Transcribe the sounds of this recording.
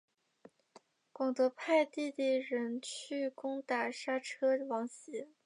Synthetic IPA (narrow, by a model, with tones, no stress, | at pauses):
kwɑ˨˩ŋt̪ɤ˧˥pʰa˥˧ɪt̪i˥˧t̪i˥˩ɻə˧˥nt͡ɕʰy˥˩kʊ˥ŋt̪a˨˩ʂa˥ʈ͡ʂʰɤ˥wɑ˧˥ŋɕiɛ˧˥